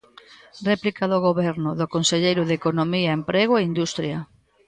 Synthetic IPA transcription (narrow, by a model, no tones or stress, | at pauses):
rɛplikɐðoɣoβɛɾnʊðokonseʎejɾʊðekonomiɐempɾeɣ̞oeind̪ust̪ɾjɐ